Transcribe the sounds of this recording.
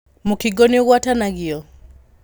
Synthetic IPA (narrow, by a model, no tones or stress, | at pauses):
mukiɡɔniɔɣwatanaɣiɔ